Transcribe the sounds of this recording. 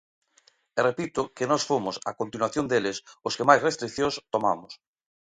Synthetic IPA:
erepit̪ʊkɪnɔsfomʊsakont̪inwaθjond̪elɪsʊskemajsrest̪ɾik̚θjõst̪omamʊs

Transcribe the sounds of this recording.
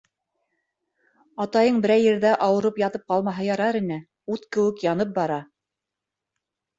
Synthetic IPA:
ɑt̪ɑjɤɴbɘ̆ɾæjɘ̆ɾðæʔɑwɤ̆ɾɤpjɑt̪ɤp̚qɑlˠmɑɦɤjɑɾɑɾinɘ | ut̪kɘ̆wɘ̆kjɑnɤp̚bɑɾɑ

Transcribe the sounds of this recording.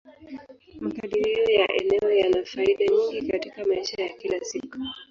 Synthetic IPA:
makaɗiɾiɔjaʔɛ̰nɛɔjanafaiɗaɲiŋɡikatikamaiʃajakilasiku̥

